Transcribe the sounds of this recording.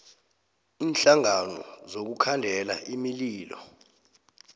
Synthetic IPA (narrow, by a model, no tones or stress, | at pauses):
iːnɬaŋanɔ̰zok̬ukʰandʱɛla̰ʔimiliːlɔ̰